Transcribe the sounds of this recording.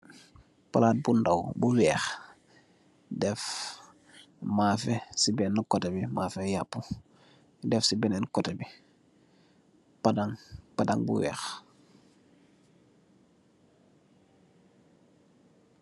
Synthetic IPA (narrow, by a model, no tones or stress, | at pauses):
palaːt̚bundawbuwɛːx | dɛf | mafesibenːukotebimafejapːu | dɛfsibɛnenukotebi | padaŋpadaŋbṵwɛ̰ːx